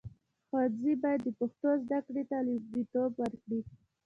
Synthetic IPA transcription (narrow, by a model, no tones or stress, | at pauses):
xɑd̪zibɑjad̪ːəpʊxt̪ozd̪akɽet̪alɪd̪it̪obwəɾkɽi